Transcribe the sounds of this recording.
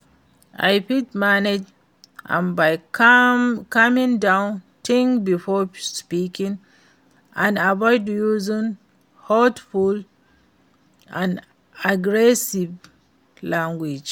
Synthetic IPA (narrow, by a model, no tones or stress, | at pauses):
ʔa̰jpitmaned͡ʒ | ʔã̰nbaj | kamĩŋdãʊ̃n | tʰĩŋbifɔspikĩŋ | ãnabɔjdjuzĩn | hɔtful | ʔãn | aɡɹɛsiv | lãŋɡwid͡ʒ